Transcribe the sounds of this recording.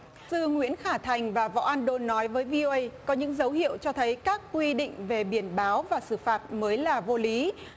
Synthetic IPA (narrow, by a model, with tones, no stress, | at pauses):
sɨ˧ŋwḭ˧˥ənxaː˧˩t̪ʰa˨˩jŋ̟vaː˨˩vɔ̰˧˨ʔaː˧nɗo˧nːɔ˨˦jvəː˨˦jvi˧ʔo˧ʔə˧jkɔ˨˦ɲɨ̰˧˥ŋzə˨˦whḭ˧˨əwt͡ɕɔ˧t̪ʰə˨˦jkaː˦˥kːwi˧ɗḭ˧˨ŋ̟ve˨˩ɓi˧˩ənɓaː˨˦wvaː˨˩sɨ˧˩faː˨˩t̚məː˨˦jlaː˨˩vo˧li˨˦